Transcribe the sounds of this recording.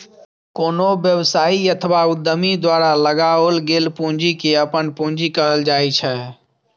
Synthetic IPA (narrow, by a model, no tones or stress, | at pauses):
koːnobjəwsaːiət̪ʰʋaʊd̪ːəmid̪waɾaləɡaolɡeːlpũnd͡ʒikeəpənpũnd͡ʒikəɦəld͡ʒaːit͡ʃʰɛ